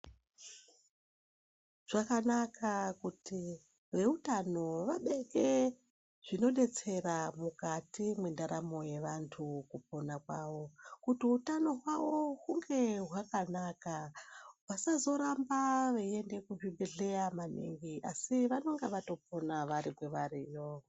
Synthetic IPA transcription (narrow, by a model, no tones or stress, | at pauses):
ʐ̥akanakʰakuti | ʋe̞utano̞ʋaɓe̞ɡe | ʐ̥ino̞ɗe̞t͡se̞ramukatimwendaɾamo̞je̞ʋantʰukup̚o̞nakwaʋo̞kutiutano̞ɦwawo̞ɦuŋɡe̞ɦwakanakawasazo̞ɾambaʋeiende̞kuvibeɮe̞jamanḭŋɡiasiʋano̞ŋɡeʋato̞p̚o̞naʋaɾikweʋaɾiːjo